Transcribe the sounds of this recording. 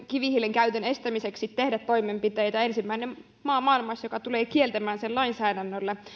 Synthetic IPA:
kiʋihilːeŋkæyt̪ønest̪æmiseksit̪t̪ehdæt̪t̪ːo̞imempit̪ejt̪æensimːæinem | mɑːmɑːilmɑsjokɑt̪uleːkielt̪æmæːnsellɑinsæːdænːølːe

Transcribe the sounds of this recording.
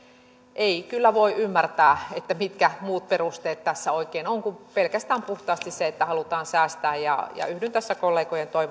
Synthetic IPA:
ʔeikylːæʋoiʔymːært̪æːet̪ːæmit̪kæmuːt̪̚perust̪eːt̪t̪æsːæoikeːnoŋkumpelkæst̪æːmpuht̪ɑːst̪isseet̪ːæhɑlut̪ɑːnsæːst̪æːjjɑ̰jɑ̰yhdynt̪æsːækolːeːkojent̪oiʋ

